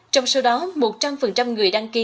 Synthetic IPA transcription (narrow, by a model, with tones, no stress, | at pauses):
t͡ɕɔ˧wŋ͡mso˨˦wɗɔ˨˦mo˨˩t̚t͡ɕa˧mfə˨˩nt͡ɕa˧mŋɨ˨˩əjɗaː˧ŋki˧˦